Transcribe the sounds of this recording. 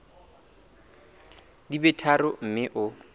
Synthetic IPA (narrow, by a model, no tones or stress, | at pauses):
dibɛtʰarʊm̩mɪʔʊ